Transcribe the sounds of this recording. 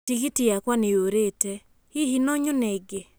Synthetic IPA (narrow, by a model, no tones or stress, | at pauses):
tiɣitijakwaneoɾetɛ | hihinɔɲɔnɛɡe